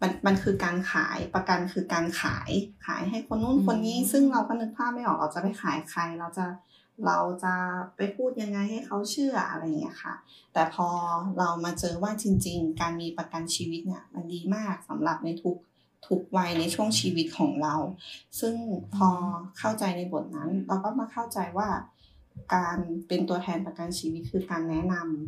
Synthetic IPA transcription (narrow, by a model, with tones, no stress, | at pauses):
ma˧nma˧nkʰɯː˧kaː˧nkʰa̰ː˩˦jpa˧ka˧nkʰɯː˧kaː˧nkʰa̰ː˩˦jkʰa̰ː˨˩˦jɦa˥˩jkʰo˧nːuː˥˩ŋkʰo˧nːiː˦˥sɯ˥˩ŋɾa˧wpʰa˧nɯ˧˥k̪̚pʰaː˥˩p̚ma˥˩jʔɔː˨˩k̚ʔa˧wt͡ɕa˨˧˩pa˧˨˩jxʰaː˨˩˦jkʰa˨˧˦jɾa˧wt͡ɕa˧˩ | ɾa˧wt͡ɕa˨˩pa˧˩jpʰuː˥˩t̪̚ja˧ŋːa˧jha˥˩jkʰa˧˥˩wt͡ɕʰɯː˥˩ɐʔa̰˧ɾa˧jŋḭ˦˥ɐ˧kʰa̰˧˩t̪ɛː˨˩pʰɔː˧ɾa˧wmaː˧t͡ɕɤː˧waː˥˩t͡ɕi˧ŋt͡ɕi˧ŋkaː˧nmiː˧pa˧ka˧nt͡ɕʰiː˧wi˦t̪̚ni˧˥˩ɐma˧ndiː˧maː˥˩k̚sa˩˦mɾa˨˩p̚na˧jt̪ʰu˦˥k̚ | t̪ʰu˦˥k̚wa˧jna˧jt͡ɕʰu˥˩əŋt͡ɕʰiː˧wi˦˥t̪̚kʰɔː˩˦ŋɾa˧wsɯ˥˩ŋpʰɔː˧kʰa˥˩wt͡ɕa˧jna˧jbo˨˩˦t̪̚na˦˥nɾa˧wkɔː˥˩maː˧kʰa˥˩wt͡ɕa˧jwaː˥˩ | kaː˧npe˧nt̪u˧ɐt̪ʰɛː˧npa˧ka˧nt͡ɕʰiː˧wi˦˥t̪̚kʰɯː˧kaː˧nːɛ˦˥na˧m